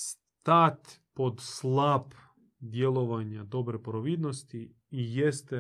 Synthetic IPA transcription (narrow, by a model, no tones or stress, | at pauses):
s | t̪at̪ʲpod̪slˠap | d̪jelˠoʋaɲad̪obɾepoɾoʋid̪nost̪i | ijest̪ɛ